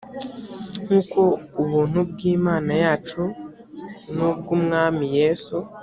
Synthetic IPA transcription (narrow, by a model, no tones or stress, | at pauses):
ŋuːkoːβuːn̥ub̚ɡiːmaːnajaːt͡ʃu | nub̚ɡumŋaːmijeːsu